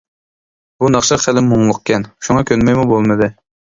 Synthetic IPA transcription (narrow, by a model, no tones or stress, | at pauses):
bunɑχʃɑχælɪmːoŋlˠʊqkʲʰɛnʃuŋɑkʲʰønmɛjmubolˠmɨd̪ɨ